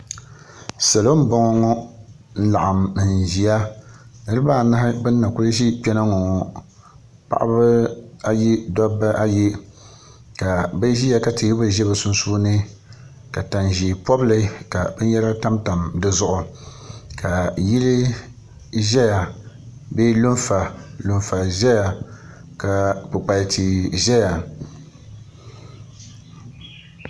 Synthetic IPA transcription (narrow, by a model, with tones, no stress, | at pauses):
sa˨lo˦m̩˦bɔ˦ŋɔ˦ŋɔ˦ | n̩˦la˨ʔa˨mn̩˨ʒi˨a˦nɨ˦ɾɨ˦baː˦˨na˦hɪ˦bɨ˦n̩ː˦a˨ku˦lɨ˦ʒi˦pɛ˦na˦ŋɔ˨ŋɔ˨ | pa̰˦ʔa̰˦bɨ˦a˦ji˦dɔ˦ba˦ʔa˦ji˦ | ka˨ba˦ʒi˦ja˨ka˨ti˨i˦bɨ˦ʒɛ˦βɨ˨sʊ˦n˦su˦nɨ˦ | ka˨ta˨nʒi˨pɔ˦blɨ˦ka˨bɨ˦n˦jɛ˦ɾa˦ta˦mta˨mdɨ˦zʊ˦˨ʔʊ˨ | kʰa˨ji˦lɪ˦ | ʒɛ˦ja˨ | beː˦lu˦nfa˨lu˨nfa˨ʒɛ˦ja˨ | ka˨pʊ˨k͡pa˨tʰi˨ʒɛ˦ja˨